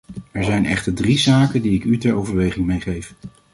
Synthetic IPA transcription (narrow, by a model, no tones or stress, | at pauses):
ɛɹzɛjnɛ̰χtəɹdrizaːkəndiɪkytɛɹowvəɹʋejχɪŋmejχejf